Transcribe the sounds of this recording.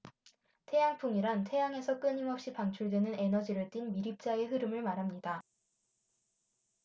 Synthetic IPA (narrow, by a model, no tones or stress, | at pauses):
tʰe̞jaŋpʰuŋiɾantʰe̞jaŋe̞sʰʌk͈ɯɲimʌp̚ɕ͈ipaŋt͡ɕʰuɭdwe̞nɯne̞nʌd͡ʑiɾɯɭt͈inmiɾip̚t͡ɕ͈aeɦɯɾɯmɯɭmaɾɦamɲida